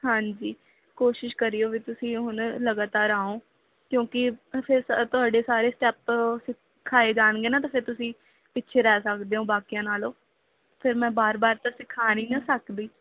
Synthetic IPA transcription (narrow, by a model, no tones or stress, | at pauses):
hãːɲd͡ʒiː | koːʃɪʃkəɾiːoːʋit̪ʊsĩːɦʊnləɡaːt̪aːɾaːõː | kjõːkɪpʰɪɾst̪ʊaːɖeːsaːɾeːsʈɛːpsɪ | kʰːaːeːd͡ʒaːnɡeːnaːt̪aːpʰɪɾt̪ʊsĩː | pɪtːʃʰeːɾɛːsəkd̪eːõːbaːkijãːnaːloː | pʰɪɾmɛ̃ːbaːɾbaːɾt̪asɪkʰːaːniːnasəkd̪iː